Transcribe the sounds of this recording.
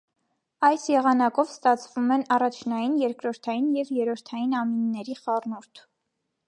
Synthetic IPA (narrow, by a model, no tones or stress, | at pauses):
ɑjsjɛʁɑnɑkɔvst̪ɑt͡sʰvumɛnɑrɑt͡ʃʰnɑjinjɛɾkɾɔɾt̪ʰɑjinjɛvjɛɾɔɾt̪ʰɑjinɑminːɛɾiχɑrnuɾt̪ʰ